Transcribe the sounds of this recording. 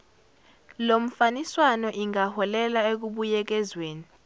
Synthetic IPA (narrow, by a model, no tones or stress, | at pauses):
lom̩faniswanɔʔiŋahɔlɛlaek̬uɓujɛk̬ɛzweːni